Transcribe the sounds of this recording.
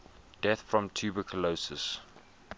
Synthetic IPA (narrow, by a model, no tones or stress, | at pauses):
d̥ɛθfɹɔ̃mtʰʉːbəkʰəlosəs